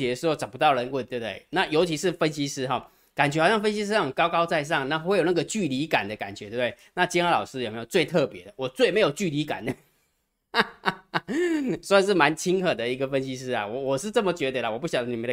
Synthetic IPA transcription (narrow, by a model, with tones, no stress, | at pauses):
i˨˩d̪ə˦ʂɻ̩˧˥xo˥˩t͡sɑ˨˩ʊpu˧t̪ɑ˥˩ʊɻə˧˦nwə˥˩t̪we˥˩t̪ḛ˥˩ɪna˥˩jo˧˥ʊt͡ɕʰi˧˥ʂɻ̩˥˨fə˦nɕi˥ʂɻ̩˥xɔ˥˨˩ | ka˨˩nt͡ɕɥɛ˧˥˨ʊjɑ˥˩ŋ˧fə˥nɕi˥ʂ̬ɻ̩˥˩˨kɑ˥ʊkɑ˥ʊt͡sa˥˧ɪʂ̬ɑ˥˨ŋna˥˨xwe˥˩ɪjo˨˩na˥˨ɡə˨t͡ɕy˥˩li˧˥ka̰˨˩nd̪ə˦ka˨˩nt͡ɕɥɛ˦we˥˧˩e˥˩na˥˨˩t͡ɕi˥na˥lɑ˨˩ʊʂɻ̩˥jo˨˩me˧˥jo˨˩t͡swe˥˧ɪt̪ʰɤ˥˩pjɛ̰˧˦d̪ə˨˩wɔ˨˩t͡swe˥˩ɪme˧˥ɪjo˨˩ʊt͡ɕy˥˩li˧˥ka̰˨˩nd̪ə˦ | sɔ˧˥i˨˩ʂ̬ɻ̩˥˩ma˧˦nt͡ɕʰi˦˥ŋxɤ˨˩d̪ə˦i˧˥ɡə˧fə˦˥nɕi˦˥ʂɻ̩˥a̰˨˩wɔ˨˦wɔ˨˩ʂɻ̩˥˧t͡sə˥˩mə˨t͡ɕɥɛ˧˥d̪ə˧˩lə˨wɔ˨˩pu˥˩ɕjɑ˨˦ŋni˨˩ə˦d̪